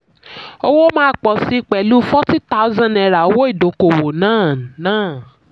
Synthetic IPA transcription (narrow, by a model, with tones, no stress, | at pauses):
o˦wo˦mãː˦k͡pɔ˨si˨˦k͡pɛ˨lu˦fɔ˦ti˦ta˦ʊ˦zã˦nɛ˧ɾa˨o˧˦wo˦i˦˨do˨˦ko˨wo˨nãː˦˨nãː˦˨